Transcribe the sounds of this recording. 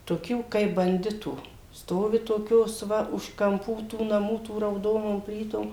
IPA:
toːˈkʲuː kɐɪp bɐnʲˈdʲɪtuː ˈstoːʋʲɪ toːˈkʲoːs ˈʋɐ ʊʃ kɐmˈpuː tuː nɐˈmuː tuː rɐʊˈdoːnoːm ˈpʲlʲiːtoːm

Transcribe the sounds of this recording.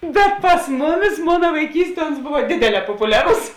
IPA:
bʲɛt pɐs ˈmʊˌmʲɪs ˈmoːnɐ ʋɐɪˈkʲiːsʲˌtʲiɛ ʊns ˈboːʋɐ ˈdʲeːdʲeːˌlʲɛː poːpʊˈlʲæːrʊs

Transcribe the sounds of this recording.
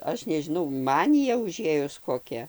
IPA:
ˈɐʃ nʲɛʒʲɪˈnɐʊ ˈmɑːnʲɪjɛ ʊˈʒʲeːjʊs koːˈkʲɛ

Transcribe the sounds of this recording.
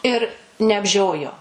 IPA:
ɪr nʲɛɐbʲˈʒʲoːjoː

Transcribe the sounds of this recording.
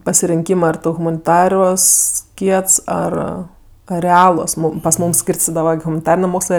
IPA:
pɐsʲɪrʲɪŋʲˈkʲiːmɜ ɐr ˈtʊ ɣʊmɐnʲɪˈtɑːruɔs ˈkʲiɛts ˈɐr ɐ rʲɛˈɑːlˠuɔs ˈmuːm pɐs ˈmuːm ˈsʲkʲiːrʲsʲtʲɪdɐʋɐ ɐr ɣʊmɐnʲɪˈtɑːrʲɪnʲeː ˈmoːkslˠɜ

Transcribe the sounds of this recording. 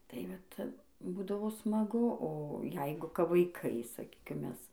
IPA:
tɐɪ ˈʋɐt ˈbuːdɐʋoː smɐˈɡʊ oː ˈjɛɪɡʊ kɐp ʋɐɪˈkɐɪ sɐˈkʲiːkʲɪm ˈmʲɛs

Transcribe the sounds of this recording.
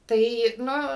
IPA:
ˈtɐɪ ˈnʊ

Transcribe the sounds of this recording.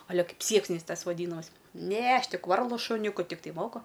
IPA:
ˈɐ ˈlʲɛ ˈkɐɪp ˈsʲiɛksʲnʲɛɪs ˈtɐs ʋɐˈdʲiːnɐmɐɪs ˈnʲɛ ˈɐʃ ˈtʲɪk ˈʋɐrlˠʊ ʃʊˈnʲʊkʊ ˈtʲɪktɐɪ ˈmoːkʊ

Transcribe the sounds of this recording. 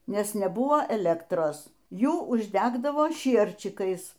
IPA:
ˈnʲɛs nʲɛˈbʊʋoː ɛˈlʲæːktroːs ˈjuː ʊʒʲˈdʲæːɡdɐʋoː ˈʃʲiɛrʲt͡ʃʲɪkɐɪs

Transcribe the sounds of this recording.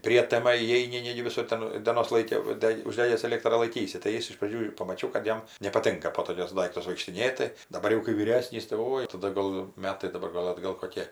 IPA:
ˈpʲrʲiɛtʲɛmɐ iːˈɛɪnʲɪ ˈnʲæːɡʲɪ ʋʲɪˈsʊr ˈtʲɛn dʲeːˈnoːs ˈlˠɐɪkʲɪ ʋɐ ˈdʲɛkʲ ʊʒʲˈdʲæːɡʲæːs ɛˈlʲeːktrɑː lˠɐɪˈkʲiːsʲɪ tɐɪ ˈjɪs ɪʃ prɐˈd͡ʒʲuː ɪr pɐmɐˈt͡ʃʲɛʊ kɐt ˈjɛm nʲɛpɐˈtʲɪŋkɐ poː toːˈkʲʊs ˈdɐɪktʊs ʋɐɪkʃʲtʲɪˈnʲeːtʲɪ dɐˈbɐr jɛʊ kɐɪ ʋʲiːˈrʲæːsʲnʲiːs tɐɪ ˈoːɪ tɐˈdɐ ɡɐlˠ ˈmʲæːtɐɪ dɐˈbɐr ˈɡɐlˠ ɐdˈɡɐlˠ koːˈkʲeː

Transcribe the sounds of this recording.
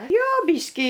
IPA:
ˈjoː ˈbʲiːʃʲkʲiː

